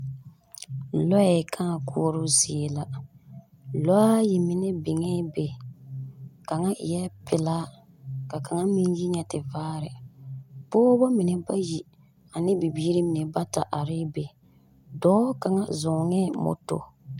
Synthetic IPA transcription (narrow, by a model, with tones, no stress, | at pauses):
lɔ˦a˨kʰa˦˨ku˦ɔ˦ɾʊ˦zi˨e˨la˦ | lɔ˦a˦ji˨mɪ˨nɛ˦bɪ˨ŋɛ˦be˨ | ka˨ŋa˦˨jɛ˦pɪ˨laː˦ | ka˨ka˨ŋa˦mi˦nji˦ɲɛ˨tɪ˨vaː˦ɾɪ˨ | poː˦ba˦mi˨nɛ˦ba˦ji˨ | a˨nɪ˦bi˨biː˦ɾi˦mi˨nɛ˨ba˦ta˨ʔa˨ɾɪ˦be˨ | dɔː˦ka˨ŋa˦zɔ˨ŋɛ˦mo̰˨to̰˨